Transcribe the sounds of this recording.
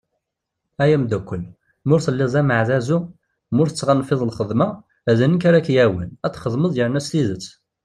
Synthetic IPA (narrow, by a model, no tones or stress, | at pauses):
æjæmd̪ækʷːəl | mʊɾθəlːɪzˤæməʕðæzu | mʊɾθət͡sːʁanfɪðˤəlχəðmæ | æðənːəkaɾakjæwənæt̪ːχəðˤməðˤjəɾnæsθiðət͡sː